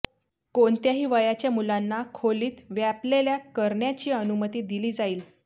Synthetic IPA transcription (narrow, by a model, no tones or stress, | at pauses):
koɳt̪jaɦiːʋəjat͡ɕjamulanːakʰoliːt̪ʋjapleljakəɾɳjat͡ɕiːənumət̪iːd̪iliːd͡zaiːl